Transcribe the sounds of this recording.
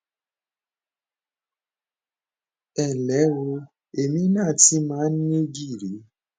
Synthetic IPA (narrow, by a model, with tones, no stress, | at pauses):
ɛ˨lɛ˨˦wo˧ | e˨mĩ˧˦nãː˦˨ti˧mãː˨˦n˦e˦ɡi˦˨ɾi˨˦